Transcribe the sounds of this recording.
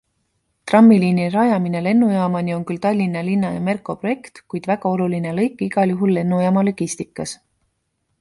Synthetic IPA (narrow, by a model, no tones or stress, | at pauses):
t̪rɑmːiliːnirɑjɑmine̞le̞nːujɑːmɑnio̞nkylt̪ɑlʲːinɑlinːɑjɑme̞rkˑo̞pro̞je̞kt̪kujd̪̥væɡ̥ɑo̞lulinelɤ̞jkːˑiɡ̥ɑljuɦulːe̞nːujɑːmɑlo̞ɡ̥ist̪ikːˑɑs